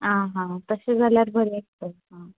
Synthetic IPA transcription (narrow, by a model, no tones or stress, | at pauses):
ɦãɦãt̪əsed͡zʱaljaɾbʱəɾeak̚t̪əɦã